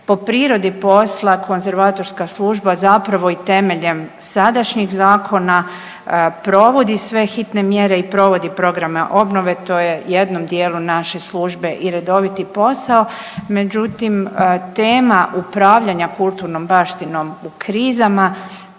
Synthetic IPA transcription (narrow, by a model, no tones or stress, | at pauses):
po̞pɾiːɾo̞d̪ipo̞slˠako̞nze̞ɾʋaːt̪o̞ɾskaslˠuːʒbazapɾaʋo̞it̪e̞me̞ʎe̞m | sad̪aʃɲixzaːkʰo̞na | pɾo̞ʋo̞d̪isʋe̞xit̪ne̞mje̞ɾeipɾo̞ʋo̞d̪ipɾo̞ɡɾameʔo̞bno̞ʋe̞t̪o̞ːjejed̪no̞md̪je̞ːlˠunaʃe̞slˠuːʒbe̞ʔiɾe̞d̪o̞ʋit̪ipo̞sao | me̞d͡ʒut̪imt̪eːmaʔupɾaːʋʎaɲakulˠt̪uɾno̞mbaːʃt̪ino̞mukɾiːzama